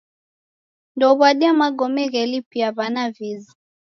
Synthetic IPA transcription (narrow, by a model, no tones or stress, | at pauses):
ndɔβwaɗiamaɡɔmɛɣɛlipiaβanavizi